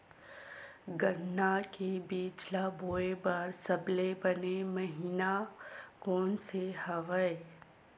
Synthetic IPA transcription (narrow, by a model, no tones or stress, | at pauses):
ɡənːakebiːd͡ʒlaboːebaɾsɐblebɐnemɐɦiːnakɔːnsehɐʋəe